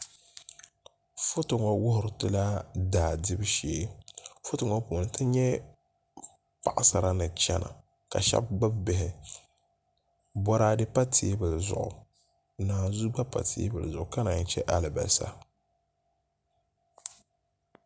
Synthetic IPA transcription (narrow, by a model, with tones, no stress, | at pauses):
fʊ˦tʊ˨ŋɔ˨wʊ˦hʊ˨ɾɨ˨tɨ˦la˦daː˨dɪ˦bʃeː˨˦fʊ˦tʊ˨ŋɔ˦poː˨nɨ˨tɨ˦ɲɛ˦ | pa˨ʔa˨sa˨ɾa˦nɨ˨t͡ʃɛ˦na̰˨ | ka̰˨ʃɛ̰˦b̚ɡ͡ba˦bbɪ˨ɦɪ˨ | bɔ˦ɾa˦dɨ˦pa˦tʰe˨˦bɨ˨lzʊ̰˨ʔʊ̰˨ | naː˨zu˦ɡ͡ba˦pa̰˨tʰḛ˨˦bɨ˨lzʊ˨ʔʊ˨ka˦na˨n˦t͡ʃɛ˦ʔa˦lɪ˨ba̰˨sa̰˦